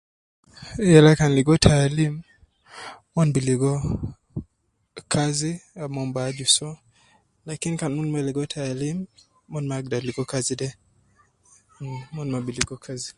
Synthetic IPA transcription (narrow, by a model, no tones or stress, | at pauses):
jɛlakanliɡɔtʰalim | mɔnbiliɡɔ | kʰaziamɔmbad͡ʒusɔ | lakinikanunmɛliɡɔtʰalim | mɔnmaɡ̚daliɡɔkazidɛ | mɔnmabiliɡɔkʰazi